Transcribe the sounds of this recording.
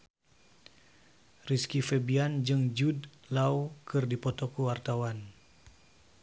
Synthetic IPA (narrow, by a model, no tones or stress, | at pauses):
riskifɛbiand͡ʒɨŋd͡ʒudlawkɨrdipɔt̪ɔkuwart̪awan